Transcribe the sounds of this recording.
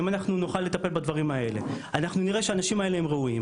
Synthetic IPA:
imanaχnunoχalːe̞t̪ape̞lbad̪vaʁimae̞le̞̰ | anaχnuniʁe̞ʃeanaʃimae̞le̞ɦemʁeuim

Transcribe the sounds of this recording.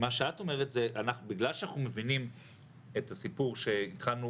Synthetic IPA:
maʃeato̞me̞ʁetzeʔanaχnubiɡlalʃanaχnume̞vinim | etasipuʁʃe̞it̪χalnu

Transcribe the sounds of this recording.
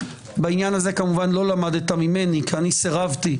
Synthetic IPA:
bainjanaze̞kamuvanlo̞lamad̪et̪amime̞nikianiseʁavt̪i

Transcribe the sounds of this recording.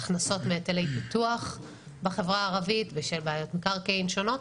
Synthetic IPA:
χnaso̞tmeːtelejpituaχ | beχevʁaːʁavitveʃelbeajo̞tmikaʁkeinʃo̞no̞t

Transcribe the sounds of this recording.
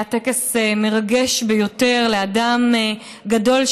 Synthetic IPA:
atekeseme̞ʁaɡe̞ʃbejo̞te̞ʁleadam | ɡado̞lʃ

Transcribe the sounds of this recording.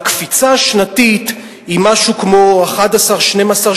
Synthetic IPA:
kfit͡saʃnatit̪ | imaʃukmoaχadasaʁʃnemasaʁ

